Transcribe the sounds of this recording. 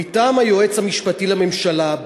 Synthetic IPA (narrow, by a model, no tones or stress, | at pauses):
itaːmajoe̞t͡shamiʃpatilame̞mʃalab